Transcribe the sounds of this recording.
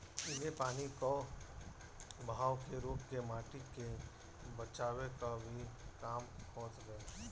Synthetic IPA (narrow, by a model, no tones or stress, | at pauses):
ɪlepaːniko | bʱaːwkeɾoːpkemaːʈɪke | bɐt͡ʃaːwekabʱikaːmkɔ̃ːt͡ʃɡɐe